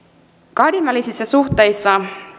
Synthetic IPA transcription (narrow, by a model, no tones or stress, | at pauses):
kɑhdinʋælisisːɑsuxt̪ˑe̞jsːɑ